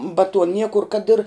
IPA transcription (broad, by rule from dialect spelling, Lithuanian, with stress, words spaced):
bɐ tuɔ ˈnʲiɛkʊr kɐt ɪr